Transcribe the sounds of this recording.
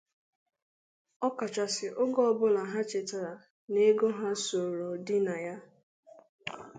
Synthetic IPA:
ɔ˦ka˨t͡ʃa˨sɪ˨ʔʊ˦ɡɔ˦˨bʊ˦la˨ɦa˦t͡ʃe˨ta˨ɾa˨ | ne˦ɡo˦ɦa˦so˨ɾo˨dɪ˦na˨ja˦

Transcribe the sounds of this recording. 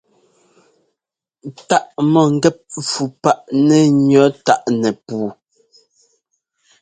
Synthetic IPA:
ta˦ʔmɔ˨ŋ̩˦ɡɛ˦p̚fu˨pa˦ʔnɛ˨ɲɔ˨˦ta˦ʔnɛ˨puː˨˦˨

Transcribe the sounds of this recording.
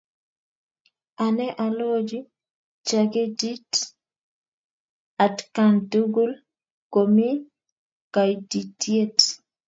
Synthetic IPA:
anɛ˦ʔa˨lo˦d͡ʒi˦ | t͡ʃaɡe˦di˦t | a˨tkandu˦ɡu˦l | komi˦ | ka˨jdi˨tje˦t

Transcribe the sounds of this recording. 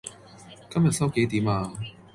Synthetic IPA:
kɐ˥mjɐ˨t̚sɐ˥wke˨˥jt̪iː˨˥maː˧

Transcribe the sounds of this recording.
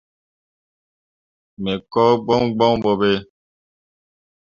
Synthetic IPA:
mɛ˨kɔ˦ɡ͡bɔ˦ŋɡ͡bɔ̃˦ŋbɔ˨be˦

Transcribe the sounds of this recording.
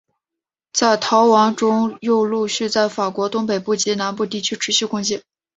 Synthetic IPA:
t͡sa˥˩ɪt̪ʰɑ˧˥ʊwɑ˧˥ŋʈ͡ʂʊ˥ŋjo˥˧ʊlu˥˧ɕy˥˧t͡sa˥˩ɪfa˨˩kwɔ˧˥t̪ʊ˥ŋpe˨˩ɪpu˥˩t͡ɕi˧˥na˧˥npu˥˧t̪̬i˥˩t͡ɕʰy˥ʈ͡ʂʰɻ̩˧˥ɕy˥˧kʊ˥ŋt͡ɕjɛ˥˩n

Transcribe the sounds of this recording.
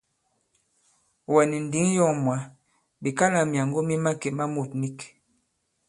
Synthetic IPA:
wɛ˨ni˨n̩˨di˨˦ŋ˦jɔ˦˨ŋmwa˨˦ | bi˨ka˦na˨mja˨ŋɡo˦mi˦ma˦ke˨ma˦mo˨tni˦k

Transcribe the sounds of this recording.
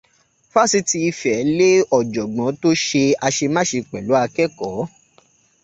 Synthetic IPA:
fa˦si˨˦ti˧i˧fɛ˨˦le˦ɔ˨d͡ʒɔ˨ɡ͡bɔ̃˨˦to˦ʃe˧a˧ʃe˧mã˦ʃe˧k͡pɛ˨lu˨˦a˧kɛ˦kɔ˨˦

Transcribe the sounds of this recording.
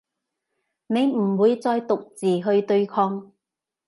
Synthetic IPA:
ne˨˧jm̩˨˩wuː˨˧jt͡sɔː˧jt̪ʊ˨k̚t͡siː˨ɦɵ˧ɥt̪ɵ˧ɥkʰɔː˧ŋ

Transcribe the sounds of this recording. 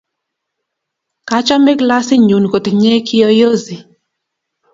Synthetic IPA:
ka˦t͡ʃa˦mɛ˦kla˦sɪ˦ɲu˨nko˨t̪ɲe˦kʰɪ˦jɔ˦jo˦zi˨

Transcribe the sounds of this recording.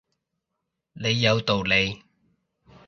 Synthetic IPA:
le˨˧jːɐ˨˧wt̪o˨wle˨˧j

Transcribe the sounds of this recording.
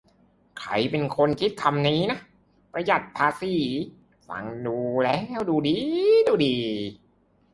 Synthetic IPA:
kʰɾa̰˧˩jpe˧nkʰo˧nkʰi˦˥t̪̚kʰa˧mniː˦˥na˦˥ʔ | pɾa˧ja˨˩t̪̚pʰaː˧siː˧˩ | sa̰˨˩˦ŋduː˧lɛː˦˥˩wduː˧diː˧˩duː˧diː˨˩

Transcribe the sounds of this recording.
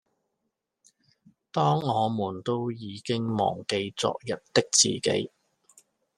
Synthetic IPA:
t̪ɔː˥ŋɔː˨˧muː˨˩nt̪o˥wjiː˨˧kɪ˥ŋmɔ̰ː˨˩ŋke˧jt͡sɔ̰ː˨k̚jɐ˨t̚t̪ɪ˥k̚t͡sḭː˨˩kḛ˨˧˥j

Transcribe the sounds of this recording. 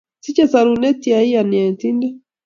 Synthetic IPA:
si˦t͡ʃɛ˦saɾunɛ˦t̪i˨ai˦ani˨a˨ti˦ndɛ˦

